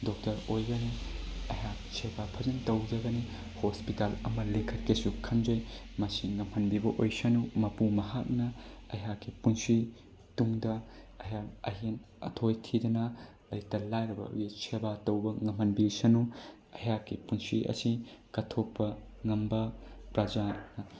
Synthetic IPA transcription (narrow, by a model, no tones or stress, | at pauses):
dok̚tɐɾojɡɐniɐhaksʰebapʰɐzɐntɐwd͡ʒɐɡɐni | hospitalɐ̰mɐlekʰɐt̚kesukʰɐnd͡ʒɐjmɐsiŋɐmhɐnbibɐʔojsɐnumɐpumɐɦak̚nɐɐɦakːipunsi | tuŋdɐ | ɐjaɐ̰ɦen | ɐ̰tʰojtʰidɐnɐ | ɐjtɐlajɾɐbɐ̰jɡisʰebatɐwbɐŋɐmhɐnbisɐnu | ɐjakːipunsiʔɐ̰sikɐtʰopːɐŋɐmbɐpɾad͡ʒanɐ